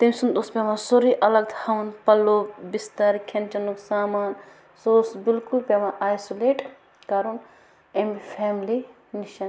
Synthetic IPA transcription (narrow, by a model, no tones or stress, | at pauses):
t̪ɐmsund̪ospʲemãsoɾiʔɐlɐɡ̚t̪ʰhɐnpɐlːoːbist̪ɐɾkʰent͡ʃɐnuksaːmaːn | sosbɪlkulpemaʔaːjsoleːʈ | kɐɾun | emifʰɛːmli | niʃɐn